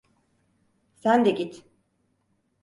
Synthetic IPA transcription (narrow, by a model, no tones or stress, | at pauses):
sænd̪ɛɟit̪